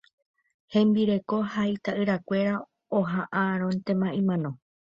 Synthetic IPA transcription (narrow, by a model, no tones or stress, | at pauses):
hẽ̞mbiɾe̞ko̞hajt̪aʔɨɾakʷe̞ɾa | oɦaʔaɾ̃õ̞nt̪e̞mãʔĩmãnõ̞